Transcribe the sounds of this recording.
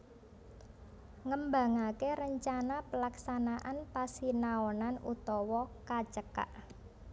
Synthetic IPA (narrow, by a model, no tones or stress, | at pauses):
ŋəmba̤ŋakeɾəɲt͡ʃanapəlaksanaʔanpasinaɔnanut̪ɔwɔkḁt͡ʃəka̰ʔ